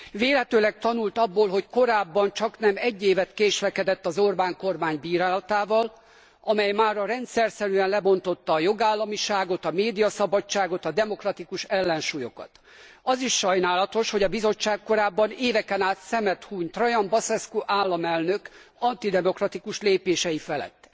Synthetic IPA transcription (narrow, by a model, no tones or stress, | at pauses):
veːlɦɛt̪øːlɛk̚t̪ɒnult̪ɒbːoːlɦo̞cko̞ɾaːbːɒnt͡ʃɒknɛmɛɟːeːvɛt̪keːʃlɛkɛd̪ɛt̪ːɒzo̞rbaːŋko̞rmaːɲbiːɾaːlɒt̪aːvɒl | ɒmɛjmaːɾɒɾɛnt̪sɛrsɛɾyɛnlɛbo̞nt̪o̞t̪ːɒːjo̞ɡaːlːɒmiʃaːɡo̞t̪ɒmeːd̪ijɒsɒbɒt͡ʃːaːɡo̞t̪ɒd̪ɛmo̞krɒt̪ikuʃɛlːɛnʃuːjo̞kɒ̰t̪ | ɒziʃːɒjnaːlɒt̪o̞ʃho̞ɟɒbizo̞t͡ʃːaːkko̞ɾaːbːɒneːvɛkɛnaːt̪sɛmɛt̪huːɲt̪rɒjɒmbɒsɛskoʔaːlːɒmɛlnø̞k | ɒnt̪id̪ɛmo̞krɒt̪ikuʃleːpeːʃɛjifɛlɛ̰t̪ː